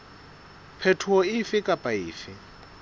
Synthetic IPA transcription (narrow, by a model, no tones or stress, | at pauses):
pʰɛtʰuɔɪfɪkʼapʼaiːfɪ